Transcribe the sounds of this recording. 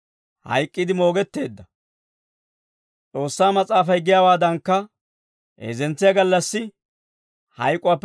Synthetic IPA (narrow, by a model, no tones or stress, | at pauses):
hɐ̰jkʼːɪd̪ɪmo̞ːɡɛt̪ːe̞ːd̪ːɐ | t͡sʼo̞ːsːaːmɐt͡sʼaːfɐjɡɪjaːwaːd̪ɐŋkːɐ | ʔḛːzɛnt͡sːɪjɐɡɐlːɐsːɪ | hɐjkʼːʊaːpː